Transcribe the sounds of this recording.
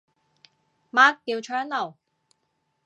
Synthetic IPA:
maː˥kːiː˧wt͡ʃʰœː˨˥ŋlɐ˨˩w

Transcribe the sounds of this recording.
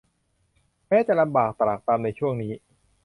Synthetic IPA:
mɛː˦˥t͡ɕa˨˩ʔla˧mbaː˨˩k̚t̪ɾa˨˩k̚t̪aː˧mna˧jt͡ɕʰu˥˩əŋniː˦˥

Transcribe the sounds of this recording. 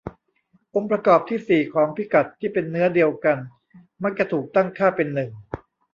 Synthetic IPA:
ʔo˧mpɾa˧kɔː˨˩p̚t̪ʰiː˥˩siː˨˩kʰɔː˩˦ŋpʰi˦˩ka˨˩t̪ʰːiː˥˩pe˧nːɯ˦˥ɐdi˧əwka˧n | ma˦˥k̚t͡ɕa˧˩t̪ʰuː˨˩k̚t̪a˥˩ŋkʰaː˥˩pe˧nːɯ˨˩ŋ

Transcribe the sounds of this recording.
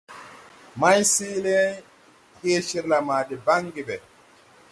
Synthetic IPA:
ma˦jsi˦le˦ | he˦ʃi˦ɾla˨ma˨di˨ba˦ŋɡi˨be˨

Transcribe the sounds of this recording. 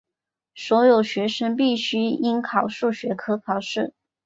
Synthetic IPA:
swɔ˧˥jo˨˩ʊɕɥɛ˧˥ʂə˥ŋp̬i˥˩ɕy˥i˥nkʰɑ˨˩ʊʂu˥˩ɕɥɛ˧˥kʰɤ˥kʰɑ˨˩ʊʂɻ̩˥˩

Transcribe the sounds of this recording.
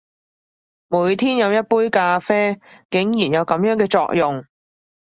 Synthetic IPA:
muː˨˥jt̪ʰiː˥njɐ˨˧wjɐ˥t̚puː˥jkaː˧fɛː˥kɪ˨˥ŋjiː˨˩njɐ˨˧wkɐ˨˧mjœː˨˥ŋkɛː˧t͡sɔ̰ː˧k̚jʊ˨ŋ

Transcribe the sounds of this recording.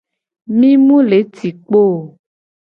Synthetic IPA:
mĩ˦mũ˦le˨˦t̪i˨k͡po˦˨

